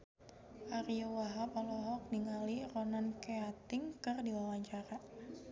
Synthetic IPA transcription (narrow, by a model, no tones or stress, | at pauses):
ʔaɾiɔwaɦapalɔɦɔk̚diŋalirɔnankeat̪ɪŋkɨrdiwawaɲt͡ʃaɾa